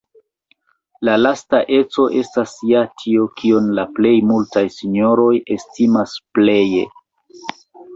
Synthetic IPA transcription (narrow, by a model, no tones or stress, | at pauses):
lalastaʔe̞t͡so̞ʔe̞stasjatʰio̞kʰio̞nlaple̞jmultajsiɲo̞ɾo̞je̞stimasple̞je̞̰